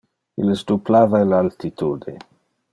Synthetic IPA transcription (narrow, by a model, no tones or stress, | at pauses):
ḭlesd̪uplaːvaelalt̪it̪ud̪e